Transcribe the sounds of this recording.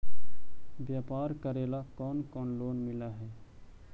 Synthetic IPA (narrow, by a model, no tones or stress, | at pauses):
bjaːpaːɾkəɾeːlakɔːnkɔːnloːnmɪlaɦɛː